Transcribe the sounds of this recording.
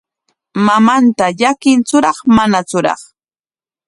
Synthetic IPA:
mamant̪aʎakɪnt͡sʊɾɑχmanat͡sʊɾɑ̰χ

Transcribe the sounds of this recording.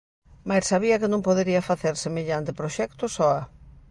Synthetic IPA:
majsːaβiɐkɪnõŋpoðeɾiɐfaθeɾsemeʎant̪ɪpɾoʃɛkt̪ʊsɔa

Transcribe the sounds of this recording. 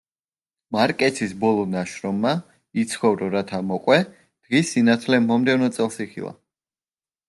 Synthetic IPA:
maɾkʼɛt̪ʰisbɔlˠɔnaʃɾɔmːa | it̪sʰχɔvɾɔɾat̪ʰamɔqʼwɛ | d̪̥ʁisinat̪ʰlɛmɔmd̪ɛvnɔt̪sʼɛlˠsiχḭlˠa̰

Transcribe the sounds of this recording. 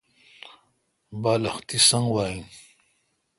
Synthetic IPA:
baːlɐxt̪isaŋɡwaːjin

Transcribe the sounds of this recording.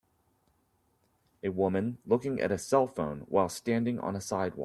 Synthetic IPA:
ɨwʊmɨ̃nlʊkɪ̃ŋʔɨ̰ɾɨsɛlˠfõʊ̃nwa̰ɪlˠstæ̃ndɪ̃ŋə̰̃nəsaɪd̚wɑ

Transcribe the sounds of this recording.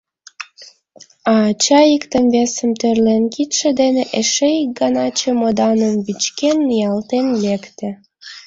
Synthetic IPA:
ɑːt͡ɕɑikt̪əmβesəmt̪ørlenkit̪ʃĕd̪eneʔeʃeik̚ɡɑnɑt͡ɕĕmod̪ɑnəmβit͡ɕkenːijɑlt̪enlekt̪ĕ

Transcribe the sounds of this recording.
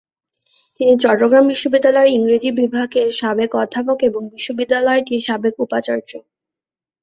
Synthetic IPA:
t̪init͡ɕɔʈːoɡɾambiʃːobid̪ːalɔeɾiŋɾid͡ʑibibʱaɡeɾʃabekɔd̪ʱːap̬okeboŋbiʃːobid̪ːalɔeʈiʃabekupat͡ɕaɾd͡ʑo

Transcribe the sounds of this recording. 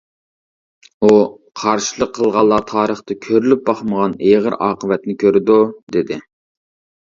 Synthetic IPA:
u | qʰɑɾʃilˠəqʰːəlˠʁɑlˠːɑːt̪ʰɑːɾəχt̪ɨkʲʰøɾylyp̚bɑχməʁɑneʁəɾɑːqʰəvɛt̪nɪkʲʰøɾɪd̪ud̪ɪd̪ɪ

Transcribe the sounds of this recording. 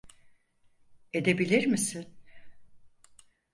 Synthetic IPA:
e̞d̪e̞bilʲiɾmisin

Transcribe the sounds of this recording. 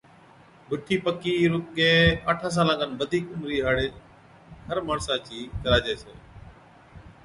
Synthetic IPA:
bɪʈʰiːpəkiːɾʊt̪ɠeːəʈʰãːs̬aːlãːkənbəd̪ʱiːkʊmɾiːɦaːɽeː | ɦəɾmaːɾsaːt͡ʃiːkəɾaːd͡ʒeːseː

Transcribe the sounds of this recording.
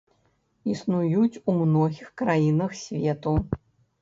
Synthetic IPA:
isnujut͡sʲumnɔɣʲixkɾajinɐxsʲvʲɛt̪u

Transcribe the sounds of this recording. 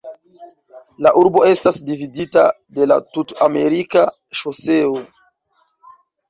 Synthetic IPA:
laʔuɾbo̞e̞stasdividita̰ | de̞la̰tutame̞ɾika | ʃose̞o

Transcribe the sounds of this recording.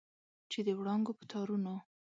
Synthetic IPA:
t͡ʃed̪əwɽɑŋɡopə̥t̪ʰɑɾuno

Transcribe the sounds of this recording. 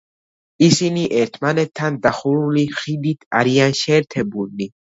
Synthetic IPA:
isiniʔɛɾt̪ʰmanɛt̪ʰːand̪aχuɾuliχid̪it̪ʰa̰ɾianʃɛːɾt̪ʰɛbui

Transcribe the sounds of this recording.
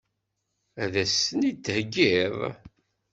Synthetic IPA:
æðæsənit̪ːhəɡːiðˤ

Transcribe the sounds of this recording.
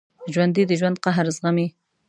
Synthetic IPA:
ʒwand̪id̪əʒwand̪̚qaɦɾzʁami

